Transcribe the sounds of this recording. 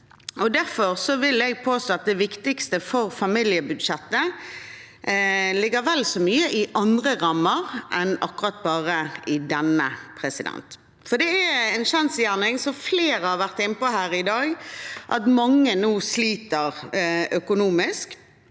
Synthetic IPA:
ʔɔd̪æɾfɔʁsɔʋɪlɛɡ̚pʰoːst̪oːɑt̪̚d̪ɛʋɪkt̪ɪkst̪əfɔɾfɑmɪljəbʉd̪ʃɛt̪ːə | lɪɡːəɾʋɛlsɔmyːəʔɪʔɑnd̪ʁəʁɑmːəʁʔɛnɑkːʉʁɑt̪̚bɑːʁəɪd̪ɛnːəpʰʁɛsɪd̪ɛ̰nt̪ | fɔd̪ɛɛɛnʃɑnsjæːʁnɪŋsɔfleːʁəhɑʋæʁt̪ɪnːəpɔɦæːɾɪd̪ɑːɡʔɑ̰t̪mɑŋːənuːsliːt̪əʁœkʊnuːmɪsk

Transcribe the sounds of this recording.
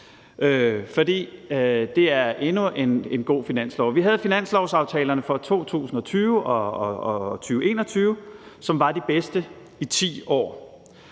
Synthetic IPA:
ʔøfɒ̽d̥ḭːd̥e̝æɐʔe̝nue̝ne̝nɡ̥o̝̰ːfinæn̰slɒʊ̰ʋiɦæð̞̩ˠfinæn̰slɒʊsɑ̈ʊt͡sʰɛːlɐnəfɒ̽t͡sʰo̝̰ːt͡sʰṵːsn̩ɒ̽t͡sʰyːʊʔɒ | t͡sʰyːʊe̝̰ːnɒ̽t͡sʰyːʊsɒ̽mʋɑ̈d̥ib̥esd̥ə | it͡sʰḭːɒ̰ː

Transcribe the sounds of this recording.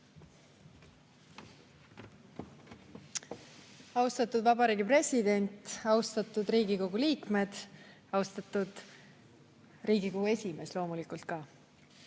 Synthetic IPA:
ɑwst̪ɑt̪ːˑud̪vɑbɑɾiːɡipre̞sʲid̪̥e̞nʲt̪ˑɑwst̪ɑt̪ːˑud̪ɾiːɡ̥iko̞ɡ̥uliːkme̞d̪̥ | ɑwst̪ɑt̪ːud̪̥ | riːɡ̥ikoɡ̥ue̞sʲime̞slo̞ːmulikˑult̪̚kɑ

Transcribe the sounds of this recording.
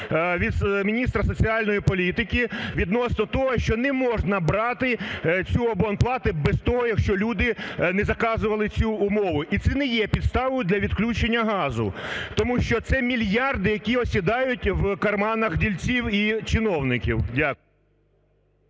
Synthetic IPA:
ʋʲid̪smʲinʲist̪ɾɐsɔt͡sʲiɑlʲnɔjipɔlʲit̪ɪkʲiʋʲid̪nɔsnɔt̪ɔɦɔʃt͡ʃɔnɛmɔʒnɐbɾɑt̪ɪt͡sʲuɔbɔnplˠɑt̪ɪbɛzt̪ɔɦɔjɐkʃt͡ʃɔlʲud̪ɪnɛzɐkɑzʊʋɐlˠɪt͡sʲuʊmɔʋʊʔit̪sɛnɛjɛpʲid̪st̪ɑʋɔjʊd̪lʲɐʋʲid̪klʲut͡ʃenʲːɐɦɑzʊ̰t̪ɔmuʃt͡ʃɔt̪sɛmʲilʲjɑrd̪ɪjɐkʲiɔsʲid̪ɑjʊtʲwkɐrmɑnɐxdʲilʲt͡sʲiwit͡ʃɪnɔwnɪkʲiwdʲak

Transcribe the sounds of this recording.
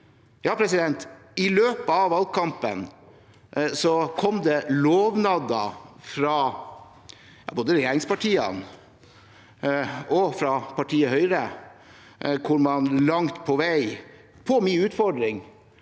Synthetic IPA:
jɑːpʰɾɛsɪd̪ɛnt̪ | ɪløːpəɑʋʋɑlkʰɑmpə̰n | sɔkʰɔmd̪ɛloːʋnɑd̪ɑ̰fɾɑ | jɑ̰ːboːd̪əɾɛjeːɾɪŋspɑʈʰiːə̰n | ɔfɾɑpʰɑʈʰiːəɦœʏɾə | kʰʊɾmɑnlɑŋt̪pʰɔʋæɪ | pʰɔmiːʉːt̪fɔɖɾɪŋ

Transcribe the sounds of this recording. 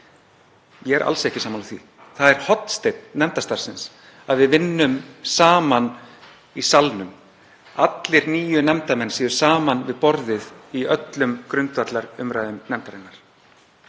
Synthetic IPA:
jɛɛɾʔa̰lsɛhcɪsaːmanθvḭ | θaðɛɾ̥hɔt̪n̥st̪ejt̪nnɛmt̪ast̪aɾ̥sɪns | aðvɪðvɪnːʏmsaːman | isalnʏm | at̪lɪɾniːjʏnɛmt̪amɛnːsiːðʏɾ̥saːmanvɪðpɔɾðɪðiœt̪lʏmkɾʏnt̪vat̪laɾʏmɾaːjðʏmnɛmt̪aɾɪnːaɾ̥

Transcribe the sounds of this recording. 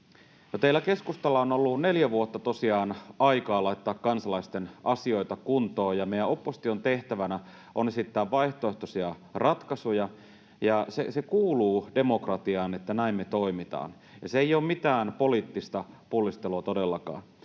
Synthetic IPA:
not̪eilæke̞skust̪ɑlːɑonolːune̞ljæʋuot̪ːɑt̪osiɑːnʔɑikɑːlɑit̪ːɑːkːɑnsɑlɑist̪enʔɑsio̞it̪ɑkunt̪o̞ːjɑmejæo̞pːosi̥t̪iont̪e̞ht̪æʋænæ | ʔonesit̪ːæːʋʋɑiht̪oe̞ht̪osiɑ | rɑt̪kɑsujɑ | jɑsḛsekuːluːdemo̞krɑt̪iɑːnet̪ːænæimmet̪oimit̪ɑ̰ːn | jɑseejoːmmit̪æːnpo̞liːt̪ːist̪ɑpulːist̪eluɑt̪odelːɑkɑ̰ːn

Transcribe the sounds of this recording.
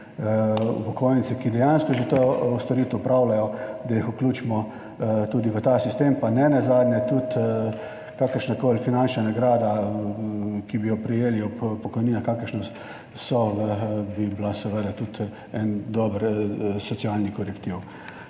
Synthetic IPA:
ṵpɔkʰojnit̪sɛkid̪ɛjanskɔʒɛt̪oust̪ɔɾiːt̪uupɾawlajɔd̪ajixukluːt͡ʃmɔ | t̪uːd̪iʋət̪asist̪empanɛnazaːd̪nʲɛt̪ut̪ | kakəɾʃnakoːlfinant͡ʃnanaɡɾaːd̪a | kibijɔpɾijeːliɔppɔkɔjniːnaxkakəɾʃna | sɔəbiblasɛʋəd̪at̪ut̪ | ɛnd̪ɔbəɾsɔt̪sialnikɔɾɛkt̪iw

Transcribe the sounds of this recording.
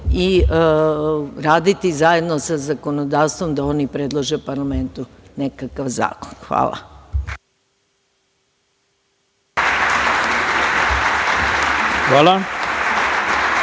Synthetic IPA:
i | ɾaːd̪it̪izaje̞d̪nosazakonod̪aːʋst̪ʋo̞md̪ao̞nipɾed̪lˠaʒepaɾlame̞nt̪une̞kakaʋza̰ːkonxʋa̰ːlˠa̰ | xʋaːlˠa

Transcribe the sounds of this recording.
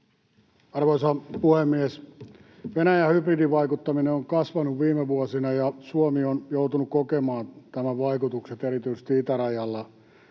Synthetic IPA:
ɑrʋoisɑpuhemːies | ʋenæjæhypridiʋʋɑikut̪ːɑmineoŋkɑsʋɑnuʋʋiːmeʋuosinɑjɑsuomionjout̪unukkokemɑːnt̪æmæʋɑikut̪ukset̪eɾit̪yise̥st̪iit̪ærɑjɑlːɑ

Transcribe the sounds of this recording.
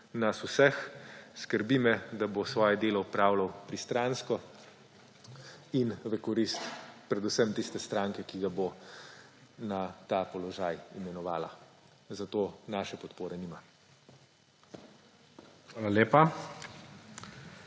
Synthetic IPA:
nasusɛxskəɾbimɛd̪abosʋɔːjɛd̪eːlɔupɾaːwlawpɾist̪ɾaːnskɔ | inʋɛkɔɾist̪pɾɛd̪usɛmt̪ist̪ɛst̪ɾaŋkɛkiɡabo | nat̪apɔlɔʒaːjḭmɛnɔʋaːla̰ | zat̪oːnaːʃɛpɔt̪poːɾɛniːma | xʋaːlaleːpa

